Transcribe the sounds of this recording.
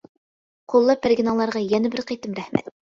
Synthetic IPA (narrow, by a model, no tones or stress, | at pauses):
qʰolˠːɑp̚ːæɾɡʲɪnɑlˠːɑɾʁɑjɛnɛbɪɾqʰejt̪ɨmɾæhmɛ̰t̪